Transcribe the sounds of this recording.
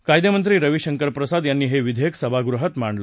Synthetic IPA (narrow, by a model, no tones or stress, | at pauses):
kajd̪jəmənt̪̬ɾiːɾəʋiɕəŋkəɾpɾəsad̪janːiːɦeʋid̪ʱəjəksəbʱaɡɾuɦət̪maɳɖlə